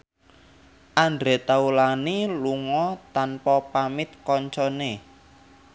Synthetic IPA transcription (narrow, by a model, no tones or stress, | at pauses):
ʔaɳdɾe̤t̪aulaniluŋɔt̪anpɔpamɪt̪̚kɔɲt͡ʃɔne